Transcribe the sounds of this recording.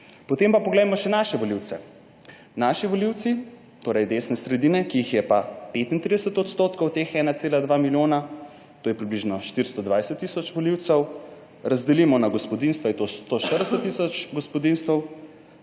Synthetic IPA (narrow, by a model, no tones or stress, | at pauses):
pɔt̪empapɔɡlɛjmɔʃɛnaːʃɛʋɔliwt̪sɛ̰ | naʃiʋɔliwt̪si | t̪oːɾɐjd̪eːsnɛsɾɛd̪iːnɛkiixjɛpapet̪int̪ɾid̪əsət̪ɔt̪st̪oːt̪kɔwt̪eːxɛːnaseːlad̪ʋamiljoːna | t̪oːjɛpɾibliʒnɔʃt̪iɾst̪ɔd̪ʋajsət̪ːisɔt͡ʃʋɔliwt̪sɛw | ɾazd̪ɛlimɔnaɡɔspɔd̪inst̪ʋait̪ost̪oʃt̪əɾd̪əsət̪ːisɔt͡ʃɡɔspɔd̪inst̪ɛw